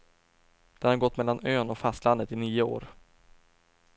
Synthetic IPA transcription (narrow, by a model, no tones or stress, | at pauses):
d̪̥ɛnhaɾɡɔt̪ːmɛlːanøːnɔkfast̪land̪ət̪ɪniːəo̰ːɾ